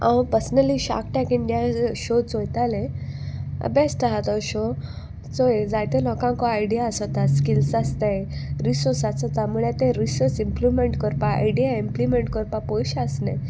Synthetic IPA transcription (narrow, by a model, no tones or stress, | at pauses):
ã̰wpəɾsnəliɕa̰kʈɛkiɳɖijaɕot͡sojt̪alḛ̃ | besʈəɦat̪ɔɕo | t͡soed͡zajt̪elɔkãŋkɔajɽijaəsɔt̪askilsast̪eɾisɔɾsat͡sɔt̪amuɭɛt̪ẽɾisəɾt͡simplimeɳʈkəɾpaa̰jɖijaimplimeɳʈkəɾpapɔjɕasne